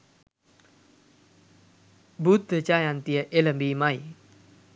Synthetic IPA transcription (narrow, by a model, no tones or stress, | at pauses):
but̪̚ːət͡ʃajant̪iəʔeləmbimaj